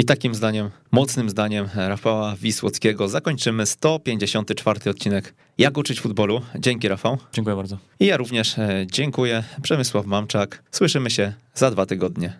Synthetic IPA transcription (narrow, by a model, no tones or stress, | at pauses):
it̪akʲimzd̪aɲɛmːɔt̪snɘmzd̪aɲɛmɾafawavʲiswɔ̰t̪skʲɛɡɔzakɔɲt͡ʂɘmɘst̪ɔpʲjeɲd͡ʑeɕɔnt̪ɘt͡ʂfaɾt̪ɘɔt̪̚t͡ɕinɛk | jakut͡ʂɘt͡ɕfud̪bɔlud͡ʑɛŋkʲiɾafawd͡ʑeŋkujɛbaɾd̪zɔ | ijaɾuvɲɛʂd͡ʑɛŋkujɛpʂɛmɘswafmamt͡ʂakswɘʂɘmɘɕɛ | zad̪vat̪ɘɡɔd̪ɲɛ